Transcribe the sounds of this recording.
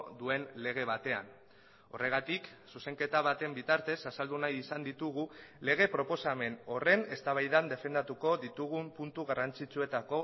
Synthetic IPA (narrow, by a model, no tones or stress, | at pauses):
d̪ue̞nle̞ɣ̞e̞β̞at̪e̞a̰n | o̞̰re̞ɣ̞at̪iksuse̞ŋke̞t̪aβat̪e̞mbit̪aɾt̪e̞sasald̪unajisand̪it̪uɣ̞ule̞ɣ̞e̞pɾo̞po̞same̞no̞re̞ne̞st̪aβ̞ajðand̪e̞fe̞nd̪at̪uko̞ðit̪uɣ̞umpunt̪uɣarant͡sit͡sue̞t̪ako̞